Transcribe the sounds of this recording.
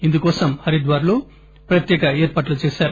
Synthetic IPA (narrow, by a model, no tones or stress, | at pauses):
ind̪ukoːsɐmhɐɾid̪ʋaːɾɐloː | pɾɐt̪jeːkɐeːɾpaːʈlut͡ʃeːsaːɾu